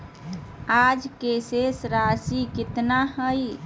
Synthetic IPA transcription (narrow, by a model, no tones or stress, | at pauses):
ad͡ʒkesesɾasikit̪naɦəj